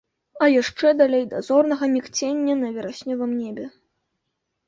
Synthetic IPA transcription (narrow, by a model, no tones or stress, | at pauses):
ɐjaʂt͡ʂɛd̪alʲejd̪azɔrnɐɣɐmʲikt͡sʲenʲːɐnɐvʲɛɾasʲnʲɔvɐmnʲɛbʲɛ